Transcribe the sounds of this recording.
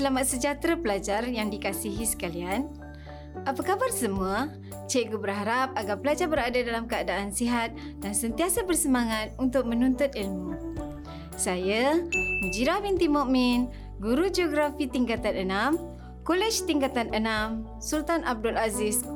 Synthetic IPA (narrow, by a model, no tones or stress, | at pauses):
səlamat̪̚səd͡ʒat̪ɾapəlad͡ʒarjaŋdikasiɦisə̥kalian | ʔapakabarsəmua | t͡ʃeʔɡubərɦaɾap̚aɡarpəlad͡ʒarbəɾadadalamkəadaʔːnsiɦat̪̚ | dansənt̪iasabərsəmaŋat̪̚unt̪ʊk̚mənunt̪ʊt̪̚ilmu | sajaməd͡ʒiɾahbint̪imoʔmin | ɡuɾud͡ʒoɡɾafit̪iŋkat̪anənam | kolɛt͡ʃt̪iŋkat̪anənam | sult̪anʔab̚dulazis